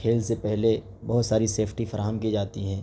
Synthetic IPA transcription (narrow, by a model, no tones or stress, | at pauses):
eːlsepɛɦle | bɐɦʊt̪saːɾiseːpʰʈifɐɾaːɦəmkid͡ʒaːt̪iɦɛ̃ː